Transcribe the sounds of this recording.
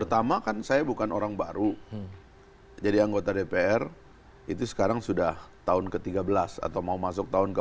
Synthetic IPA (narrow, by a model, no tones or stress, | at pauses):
pərt̪amakansajabukanʔoɾaŋbaɾu | d͡ʒadiaŋɡot̪adepeɛr | it̪usə̥kaɾaŋsudaht̪aʊnkət̪iɡabəlasa̰t̪awmaumasʊk̚t̪aʊnkə